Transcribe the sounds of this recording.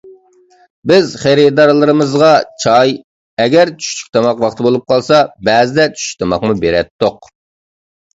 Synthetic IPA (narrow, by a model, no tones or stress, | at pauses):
bɪzχeɾɪd̪ɑɾlˠɨɾɨmɨzʁɑt͡ʃʰɑj | ɛɡʲɛɾt͡ʃʰy̥ʃt͡ʃʰy̥kʲt̪ʰɑmɑqwɑχt̪ʰɨbolˠup̚qʰɑlˠsɑbɛːzɪd̪ɛt͡ʃʰy̥ʃt̪ʰɑmɑqmubeɾɛt̪ːoq̚